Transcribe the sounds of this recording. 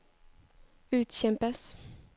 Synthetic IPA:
ʉ̟ːt̪ɕɛmpəs

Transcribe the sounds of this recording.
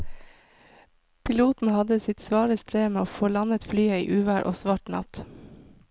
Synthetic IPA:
pʰɪluːt̪n̩hɑd̪əsɪt̪sʋɑːɾəst̪ʰɾeːmeːoːfoːlɑnət̪flyːəḭːʔʉːʋæːɾʔo̰ːsʋɑːʈnɑ̰t̪

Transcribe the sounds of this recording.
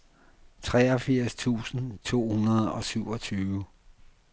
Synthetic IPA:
t͡sʰʁɛɒ̽fiɐ̰st͡sʰṵːsn̩t͡sʰo̝̰ːhunɐðˠɒ̽syʊ̰ɒ̽t͡sʰyːʋ

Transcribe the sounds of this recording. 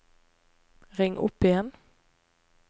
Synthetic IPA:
ʁɪŋʔʊ̰pɪjɛn

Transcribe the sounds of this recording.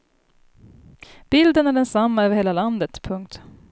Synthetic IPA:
b̥ɪld̪ənæɖɛnsamːaœːvəɾheːlaland̪ət̪pʰɵŋk̚t̪

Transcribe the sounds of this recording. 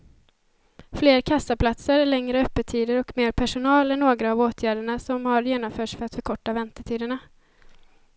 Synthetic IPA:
fleːɾkʰasːapʰlat̪səɾɭɛŋɾəœpːət̪ʰiːd̪əɾɔkmeːɾpʰæʂʊnɑːlɛnːoːɡɾaːvoːt̪ʰjæːɖəɳasɔmhaɾjeːnɔmfœːʈʂfœɾat̪fœɾkʰɔʈːavɛnt̪ət̪ʰiːd̪əɳa

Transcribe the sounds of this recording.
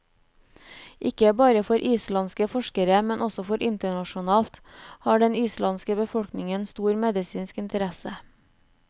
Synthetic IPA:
ʔɪkəbɑːɾəfɔɾʔiːslɑnskəfɔʃkəɾəmɛnʔɔsɔfɔɾʔɪnt̪əɳɑʃʊnɑːlt̪hɑːɖɛniːslɑnskəbəfɔlknɪŋənst̪uːɾmɛd̪ɪsiːnskɪnt̪əɾɛsə

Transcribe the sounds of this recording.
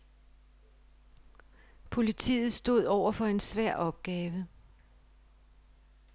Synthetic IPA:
pʰo̝lit͡sʰḭːð̩ˠsd̥o̝ð̞̰ˠɒʊ̰ɐfɒ̽e̝nsʋæɐ̰ʔɒ̽b̥̚ɡ̥ɛːʋə

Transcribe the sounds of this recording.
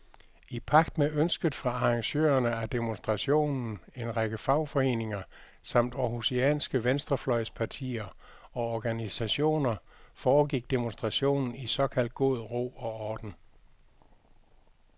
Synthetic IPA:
ipʰɑ̈ɡ̥d̥meʔønsɡ̥əð̩ˠfʁɑ̈ɑɑ̈ŋɕø̰ːɐnəæd̥emonsd̥ʁɑ̈ɕo̝̰ːnn̩e̝nʁɑɡ̥əfɑ̈ʊ̰fɒ̽e̝̰ːne̝ŋɐ | sɑ̈m̰d̥ɒhuseɛ̰ːnsɡ̥əʋensd̥ʁɐflɒ̽ɪspʰɑ̈t͡sʰḭːɐɒ̽ɒɡ̥ænisæɕo̝̰ːnɐfɒːɡ̥iɡ̥̚d̥emonsd̥ʁɑ̈ɕo̝̰ːnn̩isɒ̽kʰæl̰d̥̚ɡ̥o̝ð̞ˠʁo̝̰ːɒ̽ɒːd̥n̩

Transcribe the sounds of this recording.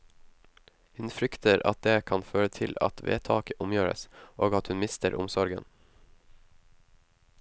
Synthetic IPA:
hʉnfɾʏkt̪əɾɑ̰t̪̚d̪eːkʰɑnføːɾət̪ʰɪlɑ̰t̪ʰʋḛːt̪ʰɑːkəʔʊmjøːɾə̰sʔoːɡɑt̪hʉnmɪst̪əɾʔʊmsɔɾɡə̰n

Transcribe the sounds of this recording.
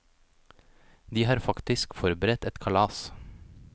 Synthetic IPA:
d̪iːhɑːɾfɑkt̪ɪskfɔɾbəɾɛt̪ɛt̪kʰɑlɑːs

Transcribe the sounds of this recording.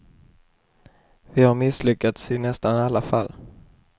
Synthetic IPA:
vɪhaɾmɪslʏkːat̪sɪnɛst̪analːafa̰lː

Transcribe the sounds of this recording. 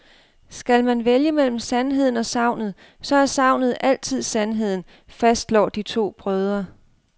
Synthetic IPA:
sɡ̥ælmænʋeljəmel̰m̩sænɦe̝ð̞̰ˠn̩ɒ̽sɑ̈ʊ̰nð̞̩ˠ | sɒ̽æɐsɑ̈ʊ̰nð̞̩ˠʔæl̰t͡sʰið̞̰ˠsænɦe̝ð̞̰ˠn̩ | fæsd̥lɒ̰ːd̥it͡sʰo̝̰ːb̥ʁœð̞ˠɐ

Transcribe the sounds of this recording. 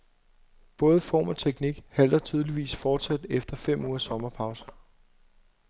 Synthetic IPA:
b̥ɔ̽ːð̞ˠəfɒ̰ːmɒ̽t͡sʰeɡ̥niɡ̥hæl̰d̥ɐt͡sʰyːð̞ˠliʋḭːsfɒːd̥sæd̥efd̥ɐfem̰uːɐsɒ̽mɐpʰɑ̈ʊsə

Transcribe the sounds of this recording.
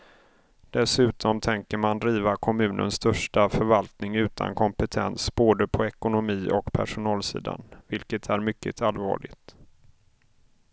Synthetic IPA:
d̪̥ɛsʉ̟ːt̪ʰɔmt̪ʰɛŋkəɾmand̪ɾiːvakʰɔmʉ̟ːnʔə̰nst̪ʰœʂʈafœɾvalt̪nɪŋʉ̟ːt̪ʰa̰nkʰɔmpɛt̪ʰɛnsb̥oːd̪əpʰɔɛkʊnʊmiːʔɔkpʰæ̰ʂʊnɑːlsḭːd̪a̰nvɪlkət̪ʰæɾmʏkːə̰t̪ʰalvɑ̰ːɭɪɡt̪

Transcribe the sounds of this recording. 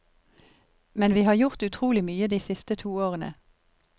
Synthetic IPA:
mɛnʋiːhɑːʁjʊʁt̪ʉt̪ʰʁuːlɪmyːəd̪iːsɪst̪ət̪ʰuːoːʁənə̰

